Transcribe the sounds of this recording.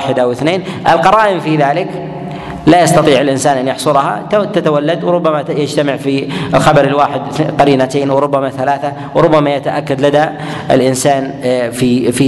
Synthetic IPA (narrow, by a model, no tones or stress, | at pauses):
ħɪd̪awɪθneːnʔɪ̰lqɑɾˤɑːʔɪmfiðaːlɪk | lajɑst̪ɑt̪ˤiːʕɪlʔɪnsaːnʔanjɑħsˤʊlɦa̰t̪at̪awalːad̪wɾˤʊbːamajɪd͡ʒt̪amɪʕfiɪlxabɑɾɪlwaːħɪd̪qɑɾiːnat̪eːnwɾˤʊbːamaθalaːθa | wɾˤʊbːamajat̪aʔakːad̪lad̪a | ɪlʔɪnsaːn | fifi